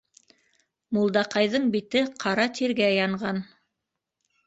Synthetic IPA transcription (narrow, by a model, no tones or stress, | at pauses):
mulˠd̪ɑqɑjðɤɴbit̪ɘqʰɑɾɑt̪ʰiɾɡæjɑɴɢɑn